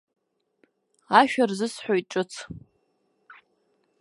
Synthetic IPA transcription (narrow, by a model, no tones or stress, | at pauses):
aʃᶣarzɨsħojʈ͡ʂʼɨt͡sʰ